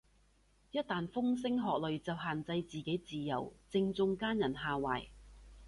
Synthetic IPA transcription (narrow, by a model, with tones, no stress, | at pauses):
jɐ˥t̚t̪aː˨nfʊ˥ŋs̬ɪ˥ŋɦɔː˨k̚lɵ˨ɥt͡sɐ˨wɦaː˨nt͡sɐ˧jt͡siː˨ke˨˥jt͡siː˨jɐ̰˨˩wt͡sɪ˧ŋt͡sʊ˧ŋkaː˥njɐ˨˩nɦaː˨˧waː˨˩j